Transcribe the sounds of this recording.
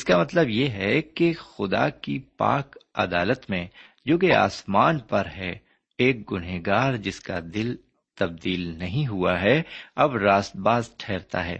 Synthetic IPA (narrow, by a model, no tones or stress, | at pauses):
ɪskamɐt̪ləbjeɦɛkexʊd̪a̰kipa̰ːkɐ̰d̪aːlət̪mẽ | jʊɡea̰ːsmaːnpɐɾɦɛ | eːk̚ɡʊneɡaːɾd͡ʒɪskad̪ɪl | t̪ɐb̚d̪iːlnɐɦĩɦuaɦɛɐbɾaːst̪̚baːzʈʰɛːɾt̪a̰ɦɛ̰ː